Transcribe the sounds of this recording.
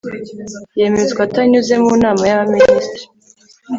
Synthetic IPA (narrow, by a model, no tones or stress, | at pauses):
je̞mezɡwataɲuze̞munaːmajaβaministɾi